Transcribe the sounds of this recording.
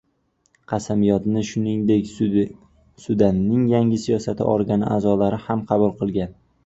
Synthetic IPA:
qʰɑsamɪjɒt̪nɪʃʊnɪŋd̪ekʲ | sʊd̪anːɪŋjaŋʲɪsijɒsat̪ʰɪ̰ʔɒɾɡʲanɪ̰ʔa̰zɒlaɾɪhamqʰɑbʊlˠqʰɨlˠɡʲan

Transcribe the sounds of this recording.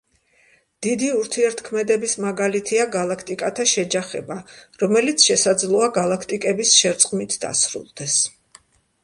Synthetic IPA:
d̪̥id̪iuɾt̪ʰiɛɾt̪kʰmɛd̪ɛbismaɡalit̪ʰiaɡalˠakʰt̪ʼikʼat̪ʰaʃɛd͡ʒaχɛ̰baɾɔmɛlit̪sʰʃɛsad̪zlˠɔaɡalˠakʰt̪ʼikʼɛbisʃɛɾt̪sʼqʼmit̪ʰd̪a̰sɾṵlˠd̪̥ɛs

